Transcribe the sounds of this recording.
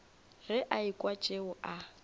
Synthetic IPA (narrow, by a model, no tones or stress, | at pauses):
rɪʔaikʼwat͡ʃʼeʊʔa